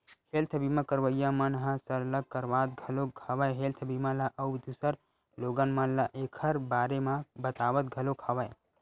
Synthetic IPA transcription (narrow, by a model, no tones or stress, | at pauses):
helt̪ʰəbimãkəɾʋəjːãmɐnɦãsəɾlɐkəɾʋaːt̪̚ɡʱɐlokʰaːʋajɦeːlt̪ʰəbimãlaʔɐwd̪usəɾ | loːɡənmanlaʔeːkʰəɾbaːɾemãbət̪aːʋət̪̚ɡʱɐlokʰaːʋəj